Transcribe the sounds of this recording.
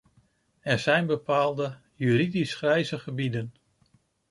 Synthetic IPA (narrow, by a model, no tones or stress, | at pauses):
ɛɹzɛjnbəpaːlˠdə | jyɾidisχrɛjzəχəbidən